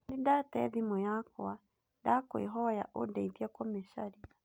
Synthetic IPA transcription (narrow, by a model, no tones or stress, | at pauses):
didatɛ̰ðimujakoa | dakwḛɦɔja̰ʔodɛiðiakɔmesaɾia